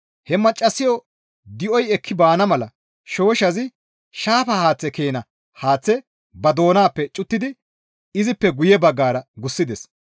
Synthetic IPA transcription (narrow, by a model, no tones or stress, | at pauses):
hɛmɐt͡ʃʼːɐsɪjɔ | d̪ɪʔɔjɛkʰːɪbaːnɐmɐlɐ | ʃo̞ːʃɐzɪ | ʃaːfɐhaːt͡sːɛke̞ːnɐ | haːt͡sːɛ | bɐd̪o̞ːnaːpːɛt͡ʃʼʊt̪ːɪd̪ɪ | ɪzɪpːɛɡʊjɛbɐɡːaːɾɐɡʊsːɪd̪ɛs